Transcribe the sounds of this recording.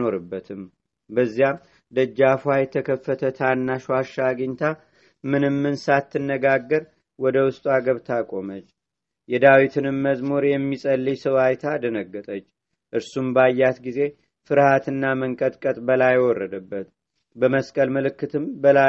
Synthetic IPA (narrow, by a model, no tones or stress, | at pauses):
o̞ɾɨbːət̪ʰɨm | bəzːjam | d̪əd͡ʒːafwajɛt̪ʰəkʰəfːət̪ʰət̪ʰanːaʃaʃːaɡəɲt̪ʰa | mɨnɨmːɨnsat̪ʰːɨnːəɡaɡːəɾ | wɔd̪əwʊst̪ʼuaɡəβt̪ʰakʼo̞mət͡ʃː | jɛd̪awit̪ʰɨnɨmːəzmoɾjɛmːisʼəlːisəwajt̪ʰad̪ənəɡːət̪ʼət͡ʃː | ʔɨɾsumbajːat̪ɡize̞ | fɨɾhat̪ʰɨnːaməŋkʼət̪ʼkʼət̪ʼbəlajwɔrːəd̪əbːət̪ | bəməskʼəlməlɨkːɨt̪ʰɨmbəla